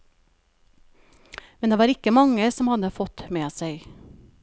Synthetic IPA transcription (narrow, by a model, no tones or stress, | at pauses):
mɛnd̪eːʋɑːɾɪkəmɑŋəsɔmhɑd̪əfɔt̪meːsæɪ